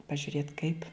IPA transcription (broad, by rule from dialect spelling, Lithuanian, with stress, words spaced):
pɐʒʲʊˈrʲeːt kɐɪp